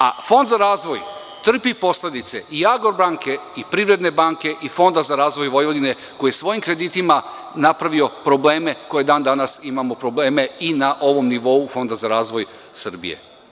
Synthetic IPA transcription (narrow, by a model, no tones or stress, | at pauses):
a̰fo̞nd̪zaɾaːzʋo̞j | t̪r̩pipo̞sle̞d̪it̪se̞ʔiaɡoɾbaːŋkʰe̞ipɾiʋɾe̞d̪ne̞baŋke̞ʔifo̞nd̪azaɾaːzʋo̞jʋo̞jʋod̪ine̞ | ko̞jijesʋo̞jimkɾe̞d̪it̪ima | napɾaʋio̞pɾo̞ble̞ːme̞ko̞je̞d̪aːnd̪anasimamo̞pɾo̞ble̞ːme̞inaʔo̞ʋo̞mniʋo̞ufo̞nd̪azaɾaːzʋo̞j | sɨr̩bḭje̞̰